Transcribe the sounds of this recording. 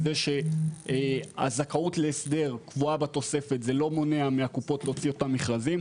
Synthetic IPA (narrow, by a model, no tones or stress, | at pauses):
zeʃe̞ea̰zakautleːsde̞ʁkvuabat̪o̞se̞fe̞t̪zelo̞mo̞neameakupo̞tlot͡sio̞tamːiχʁazim